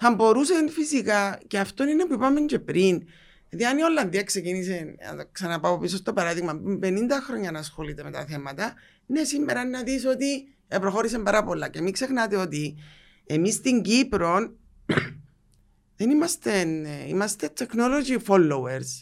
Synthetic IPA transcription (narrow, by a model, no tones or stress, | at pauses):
θɐmbo̞ɾusenfisikaceɐft̪o̞nine̞puipɐme̞ɲce̞pɾin | jɐðiɐnio̞lːɐnðiɐksecinis̬en̰ksɐnɐpaopis̬ost̪o̞bɐɾɐðiɣmɐimpenind̪ɐxɾo̞ɲːɐnɐːsxo̞lit̪eme̞t̪ɐ̰θe̞mɐt̪ɐ | ne̞simːeɾɐnnɐðiso̞t̪i | epɾo̞xo̞ɾis̬embɐɾɐpo̞lːɐcemikse̞xnɐt̪eo̞t̪i | emist̪iɲɟipɾo̞n | ðe̞nimɐst̪enḭmɐst̪e̞t̪ʰːe̞kno̞lo̞d͡ʒifo̞lːoweɾs